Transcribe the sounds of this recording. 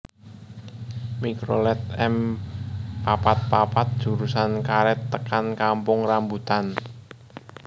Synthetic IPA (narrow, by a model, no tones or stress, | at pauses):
mikɾolɛt̪̚ɛm | papat̪̚papat̪̚d̥ʒ̥ṳɾusankaɾɛt̪ːəkankampʊŋrambut̪an